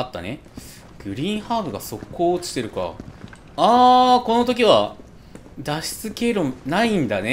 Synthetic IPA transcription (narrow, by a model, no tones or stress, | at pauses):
at̪ːa̰ne̞ | ɡ̥ɯ̟ɾʲĩːɰ̃haːbɯ̟ɡaso̞kːoːt͡sɨ̥t̪e̞ɾɯ̟ka̰ | ako̞no̞t̪o̞k̬ʲiβ̞a | d̪aɕi̥t͡sɨke̞ɾonaĩnd̪ane